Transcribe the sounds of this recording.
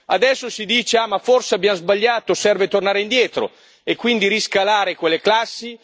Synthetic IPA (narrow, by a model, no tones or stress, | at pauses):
ad̪ɛsːosid̪iːt͡ʃeaːmaforseabjamzbaʎːaːt̪osɛrvet̪ornaːɾeind̪jɛːt̪ɾo̰ | ekːwind̪iɾiskalaːɾekwelːeklasːi